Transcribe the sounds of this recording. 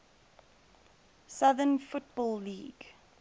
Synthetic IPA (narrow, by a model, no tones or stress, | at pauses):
sʌðənfʊt̚bɔːlˠːiːɡ